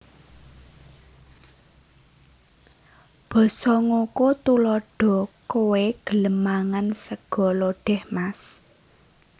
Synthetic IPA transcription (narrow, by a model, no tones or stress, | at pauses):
b̥ɔ̤sɔŋokot̪ulɔɖ̥ɔ̤koweɡ̥ələmaŋansəɡ̥ɔ̤loɖ̥ɛhmas